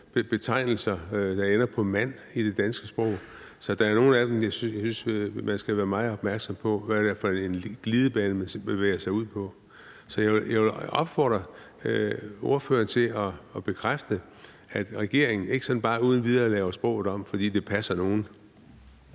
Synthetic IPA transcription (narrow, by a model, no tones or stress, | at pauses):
b̥b̥e̝t͡sʰɑ̈ɪ̰nl̩sɐd̥ɑ̈enɐpʰɒ̽mæn̰ | id̥e̝d̥ænsɡ̥əsb̥ʁɔʊ̰ | sɒ̽d̥ɑ̈æɐno̝ːn̩æd̥emjɑɪsjɑɪsynsmænsɡ̥æʋæːɐmɑ̈ɪð̩ˠɒ̽b̥mæɐɡ̥sɒ̽mpʰɒ̽ʋædæɐfɒenɡ̥lið̞ˠəb̥ɛːnəmesbeʋḛːɐsɑ̈ɪuð̞̰ˠpʰɒ̽ | sɒ̽jɑɪjaɪʋɒ̽b̥fɒ̰ːd̥ʁɐ | o̝ɐfø̰ːɐnt͡sʰe̝lɒːb̥e̝kʰʁafd̥ə | æd̥ʁɛɡ̥e̝ɐeŋn̩e̝ɡ̥ə̥sɒ̽nb̥ɑ̈ːuːð̞ˠn̩ʋið̞ˠɐːlɛːʊɐsb̥ʁɔ̽ʊð̩ˠɒ̽m̰fɒ̽d̥ḭːd̥e̝pʰæsɐno̝ːn̩